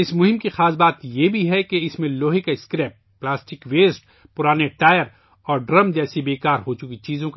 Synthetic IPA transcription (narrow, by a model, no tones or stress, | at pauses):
ɪsmʊɦɪ̃mkixaːsbaːt̪jebʱiɦɛkeɪsmẽloːɦɪkaɪskɾɛːp̚ːlaːsʈɪkʋeːsʈ | pʊɾaːneʈaːjəɾ | ɔːɾɖɾɐmd͡ʒɛːsibeːkaːɾɦot͡ʃʊkit͡ʃiːzõk